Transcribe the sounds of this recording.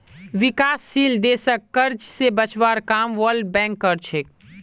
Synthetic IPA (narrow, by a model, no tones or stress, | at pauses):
ʋɪkaːsːiːld̪eːsəkːɐɾd͡ʒsebət͡ʃʋaːɾkaːmʋəlɖ̚bɛ̃ːŋkːəɾt͡ʃʰeːk